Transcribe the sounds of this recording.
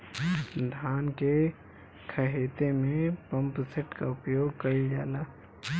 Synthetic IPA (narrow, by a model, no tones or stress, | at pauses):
d̪ʱaːnke | kʰɐɦeːt̪emẽpɐ̃mpseʈkaʊpjoːɡkɐid͡ʒaːlaː